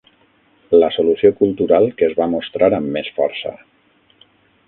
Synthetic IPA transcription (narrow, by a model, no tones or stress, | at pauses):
ləsolusiokulˠt̪uɾalˠkəːzβamost̪ɾaɾəmːesfɔ̰ɾsə̰